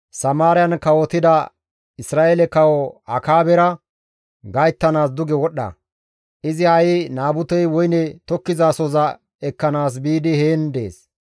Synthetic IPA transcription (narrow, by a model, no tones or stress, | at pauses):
sɐmaːɾɪjɐnkɐwɔt̪ɪd̪ɐ | ɪsɾaːʔelɛkɐwɔɐkaːbɛɾɐ | ɡɐjt̪ːɐnaːsd̪ʊɡɛwɔɗːɐ̰ | ʔɪzɪhɐjɪnaːbʊt̪ɛjwɔjnɛt̪ɔkːɪzaːsɔzɐ | ɛkːɐnaːs̬biːd̪ɪheːnd̪e̞̰ːs